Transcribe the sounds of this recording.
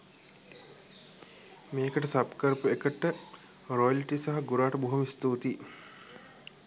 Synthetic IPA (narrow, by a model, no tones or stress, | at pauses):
meːkəʈəsapkəɾpuekəʈːə | rojəliʈisaɦɐɡuɾaːʈəbuɦumist̪uːt̪i